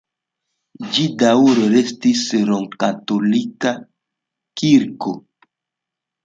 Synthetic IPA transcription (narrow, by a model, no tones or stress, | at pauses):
d͡ʒidauɾoɾestisɾoŋkatolika | kiɾko